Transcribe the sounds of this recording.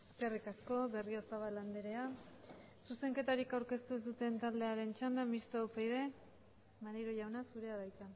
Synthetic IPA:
e̞ske̞rikasko̞βe̞rio̞saβaland̪eɾe̞a | suse̞ŋke̞t̪aɾikawɾke̞st̪ue̞z̬d̪ut̪e̞nt̪ald̪e̞aɾe̞nt͡ʃand̪amist̪oopejðe̞ | maɾiɾoʝawnasuɾe̞aðajt͡s̪a

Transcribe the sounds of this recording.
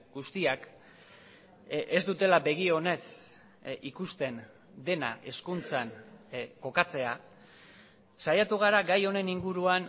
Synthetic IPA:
ɡust̪iak | ezd̪ut̪e̞labe̞ɣio̞ne̞s | ikust̪e̞n | d̪e̞na̰ʔe̞skunt͡sanko̞kat͡se̞a | sajat̪uɣ̞aɾaɡajo̞ne̞niŋɡuɾuan

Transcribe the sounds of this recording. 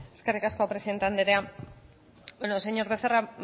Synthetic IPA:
eskerikaskoapɾeiðent̪eand̪eɾea | bonoseɲo̞ɾβe̞θera

